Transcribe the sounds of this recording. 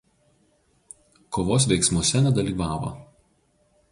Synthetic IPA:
koːʋoːs̬ʋʲɛɪksmuɔsʲɛnʲɛd̪ɐlʲiːʋɑːʋɐ̰

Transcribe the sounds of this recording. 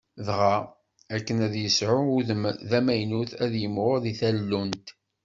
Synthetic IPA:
ðʁa | ækːənæðjəsʕʊðmðæmæjnuθæðjəmʁʊðiθælːunt̪

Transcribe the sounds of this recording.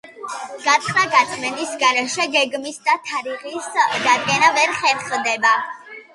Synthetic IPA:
ɡ̥at̪sʰʼχnaɡat̪sʼʰmɛnisɡaɾɛʃɛɡɛɡmisd̪at̪ʰaɾiʁisd̪ad̪̚ɡɛnavɛɾχɛɾχd̪ɛba

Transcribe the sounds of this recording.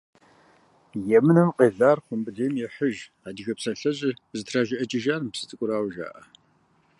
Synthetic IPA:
jɛmɨnɨmqʼeːzaːrχʷʊmbɨdeːjmjɛħəʒ | aːdiɣɐpsɐɬɐʑʼɪzɨtʰraːʒɪʔɐt͡ʃʼɪʒaːrmpsɨ̥t͡sʼɨkʷʼʊɾaːwʒa̰ːʔɐ

